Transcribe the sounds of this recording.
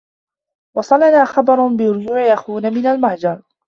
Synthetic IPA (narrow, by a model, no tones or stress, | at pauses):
wɑsˤɑlanaːxɑbɑɾˤnbɪɾʊd͡ʒuːʕɪʔaxuːnamɪnalmahd͡ʒɑɾˤ